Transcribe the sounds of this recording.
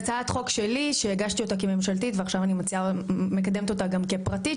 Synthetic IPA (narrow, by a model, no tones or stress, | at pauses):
t͡sat̪χo̞kʃe̞liʃeeɡaʃt̪io̞takeme̞mʃalt̪itveaχʃavanimat͡siamekad̪emt̪o̞t̪aɡamkepʁati